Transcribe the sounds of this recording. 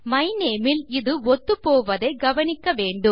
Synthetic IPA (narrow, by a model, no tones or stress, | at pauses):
mɐɪneːmɪlɪðɯɔt̪ːɯpoːʋɐðɐɪɡɐʋɐnɪkːɐʋeːɳɖɯm